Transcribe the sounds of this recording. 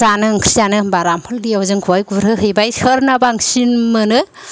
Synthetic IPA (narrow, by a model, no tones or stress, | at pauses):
anɯŋkʰɾizanɯbaɾampʰɯldiawzɯŋkʰuajkuɾɯɦɯjbajsɯɾnabaŋsinmɯnɯ